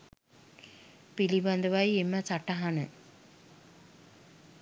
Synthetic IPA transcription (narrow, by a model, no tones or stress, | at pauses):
piliband̪əʋajemːəsaʈaɦanə